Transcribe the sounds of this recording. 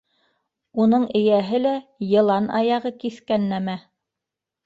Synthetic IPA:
unɤɴɘ̆jæɦɘlæjɤ̆lˠɑnɑ̰jɑʁɤkiθkænːæmæ

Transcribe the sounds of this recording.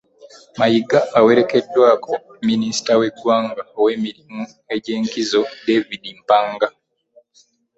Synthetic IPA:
majiɡaːweɾekedːwaːkʰominisi̥taweɡwaːŋɡaweːmiɾimu | e̞ɟe̞ːŋkizodevidim̩paŋɡa

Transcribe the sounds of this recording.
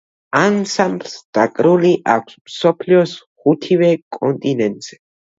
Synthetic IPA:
ansambɾsd̪̥akʼɾuliʔa̰kʷʰsmsɔpʰliɔsχut̪ʰivɛkʼɔnt̪ʼinɛ̃nt̪ʼz̥ɛ

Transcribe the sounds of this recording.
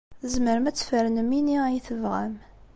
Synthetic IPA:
zməɾəmæt͡sːfəɾnəminijiθəvʁæm

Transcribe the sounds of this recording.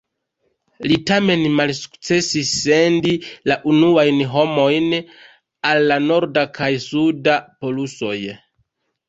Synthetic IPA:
litame̞nmalsu̥kt͡se̞sisːendilaʔunuajnɦo̞mo̞jn | alːano̞ɾdakʰajsudapo̞luso̞̰j

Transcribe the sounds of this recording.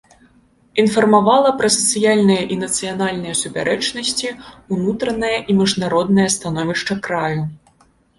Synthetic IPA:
infɐrmavalˠɐpɾɐsɐt̪sɨjalʲnɨjɐʔinɐt̪sɨjanalʲnɨjɐsupʲa̰ɾʔɛt͡ʂnɐsʲt͡sʲiunut̪ɾɐnɐjɐʔimʲiʐnaɾɔd̪nɐjɐst̪anɔvʲiʂt͡ʂɐkɾaju

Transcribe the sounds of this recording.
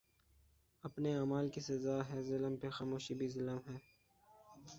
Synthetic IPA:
ɐpneaːmaːlkisɐzaːɦɛːzɪləmpexaːmoːʃibʱizɪləmɦɛː

